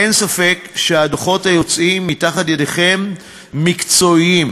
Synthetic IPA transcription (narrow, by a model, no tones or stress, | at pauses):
ensafe̞kʃeadoχo̞tajo̞t͡simːitaχatjedeχe̞mː | ikt͡so̞im